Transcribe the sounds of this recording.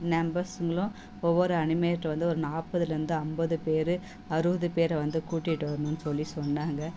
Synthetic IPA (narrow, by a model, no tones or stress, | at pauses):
nɛmbɐɾsɯŋɡɐɭʊ̃ | ɔʋːɔɾɯɐɳɪmɐjɐʈːɐʋɐnd̪ɯɔɾɯnaːpɐðɯlɯnd̪ɯɐmbɐðɯpeːɾɯ | ɐɾɯbɐðɯpeːɾɐʋɐnd̪ɯkuːʈːɪʈːɯʋɐɾɯɳʊ̃nːɯsɔlːisɔnːaːŋɡɐ